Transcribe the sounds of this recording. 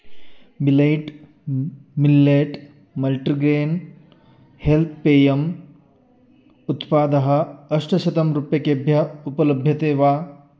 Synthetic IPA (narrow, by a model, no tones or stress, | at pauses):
bilejʈ | milːeʈ | mɐlʈɾiɡɾeːn | helt̪ʰpeːjɐm | ut̪paːd̪ɐɦɐ̆ɐʂʈɐʃɐt̪ɐmɾupjɐkebʱjɐupɐlɐbʱjɐt̪eːʋaː